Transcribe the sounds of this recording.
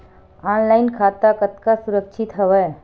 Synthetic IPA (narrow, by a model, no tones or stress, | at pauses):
aːnlaːɪnkʰaːt̪akət̪kasʊɾəkʃʰɪt̪ɦəʋəj